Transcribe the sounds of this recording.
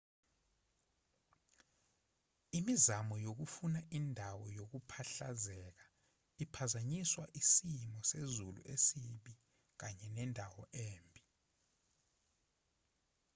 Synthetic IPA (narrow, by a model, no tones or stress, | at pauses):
imizamɔjok̬ufunaʔindʱawɔjok̬upʰaɬazɛk̬a | ipʰazaɲiswaʔisimɔsezulṵʔesiɓi | k̬aɲɛnɛndʱawɔʔeːmbʱi